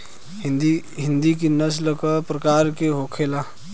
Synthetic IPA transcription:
ɦɪ̃nd̪ikinəsləkapɾəkaːɾkeɦoːkʰela

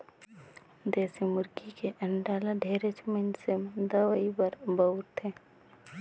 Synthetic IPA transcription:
d͡ʒɛːsemʊɾɡikeʔɐɳɖaːlaɖʱeːɾet͡ʃmensemd̪əʋaibəɾbəʊɾt̪ʰẽː

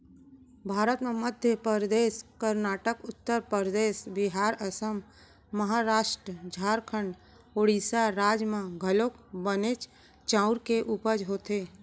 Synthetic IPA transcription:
bʱaːɾət̪mẽməd̪ʱjəpəɾd̪eːskəɾnaːʈəkʊt̪ːəɾpəɾd̪eːsbɪɦaːɾəsəmː | əɦaːɾaːʃʈɾəd͡ʒʱaːɾkʰəɳɖ | oːɽiːsaɾaːd͡ʒmãɡʱəloːkbəneːt͡ʃ | t͡ʃãːʊɾkeʔupəd͡ʒɦoːt̪eː

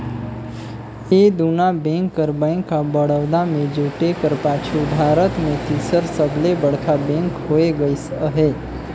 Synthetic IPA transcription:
ed̪unabɛ̃ŋkːəɾbə̃ŋkːabəɽəʋd̪amẽd͡ʒuʈekəɾpat͡ʃʰub̪ʱaɾət̪mẽt̪iːsəɾsəblebəɽk̪ʰabẽŋkɦoeɡəisəɦe

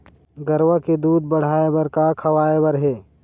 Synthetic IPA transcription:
ɡəɾwaked̪uːd̪̚bəɽ̤aːebəɾkakʰɐwaːebəɾɦɛː

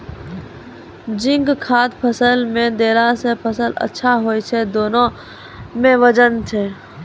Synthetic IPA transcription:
d͡ʒɪ̃ŋɡkʰaːd̪pʰəsəlmẽd̪eːlasepʰəsələ̰tːʃʰaɦoːit͡ʃʰed̪oːnõ | mẽʋəd͡ʒənt͡ʃʰeː

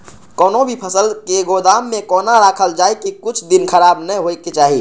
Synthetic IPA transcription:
kɔːnõbʱipʰəsəlkeɡod̪aːmːẽkɔːnaɾaːkʰəld͡ʒaːekikʊt͡ʃʰd̪ɪnkʰəɾaːbnəɦoːeket͡ʃaːɦi

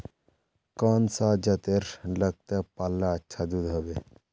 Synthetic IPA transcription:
kaːnsad͡ʒɐt̪eɾləɡ̚t̪epalːaətːʃʰad̪ud̪ɦəbe

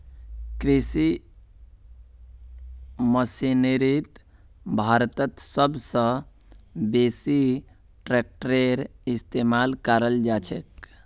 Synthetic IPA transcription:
kɾisi | məsineɾit̪ | bʱaɾt̪ət̪səbsə̃ | besi | ʈɾek̚ʈɾeɾist̪emalkaɾəld͡ʒat͡ʃʰek

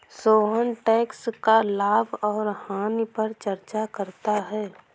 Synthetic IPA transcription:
soːɦənʈɛːkskalaːbɔːɾhaːnipəɾt͡ʃəɾt͡ʃakəɾt̪aɦɛː

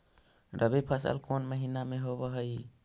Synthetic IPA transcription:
ɾəβepʰəsə̰lkʰonməɦinameɦoβɔɦəj

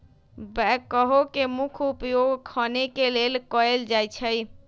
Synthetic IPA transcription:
bɛkːəɦokemukʰupjoɡkʰənekelelkəeld͡ʒajt͡ʃʰəj

